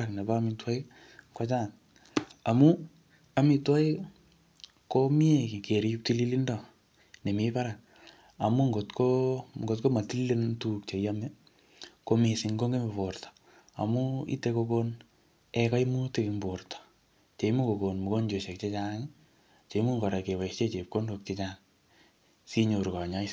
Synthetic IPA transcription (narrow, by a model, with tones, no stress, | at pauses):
a˨kne˨ba˦mi˨twa˦i | kwa˦t͡ʃa˦˨n | a˨mu | a˨mi˨twa˦i˦ | komi˦e˨ki˨ke˨ɾi˦ju˦k̚ti˦li˦li˦ndɔ˨ | ne˨mipa˦ɾa˨k̚ | a˨mu˦ŋɡotko˨ɡo˨tko˦ma˨ti˦li˦le˦ntuk̚t͡ʃe˨jamɛ˦ | ko˦mi˨sɪ˨ŋɡo˦ŋɡe˦mpo˨rtɔ̥ | a̰˨mu˦ḭ˦te˧ko˧kon | ɛ˨ka˦imu˦te˦ki˨mbortɔ̥˨ | t͡ʃe˨i˦mu˦ko˨ko˨nmu˨ko˦ɲd͡ʒo˨ʃe˨k̚t͡ʃe˦t͡ʃaŋi | t͡ʃe˨i˦mu˦ŋɡɔ˨ɾa˨ke˨wa˨st͡ʃe˦t͡ʃe˨p̚ko˦ndo˧k̚t͡ʃe˦t͡ʃaŋ | si˦ɲo˨ɾka˨ɲa˦is